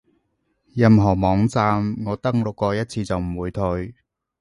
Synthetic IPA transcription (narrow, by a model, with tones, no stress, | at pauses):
jɐ˨mɦɔː˨˩mɔː˨˧ŋt͡saː˧mŋɔː˨˧t̪ɐ˥ŋlʊ˨kːɔː˧jɐ˥t̚t͡sʰiː˧t͡sɐ˨wm̩˨˩wuː˨˧jt̪ʰɵ˧ɥ